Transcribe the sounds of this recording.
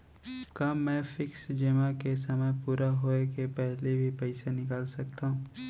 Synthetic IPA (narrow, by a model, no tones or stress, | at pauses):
kamːɛ̃ːfɪksd͡ʒeːmakes̬ɐməjpuːɾaɦoːekepɛɦlebʱipɛɪsenɪkaːlsɐk̚t̪aɦũː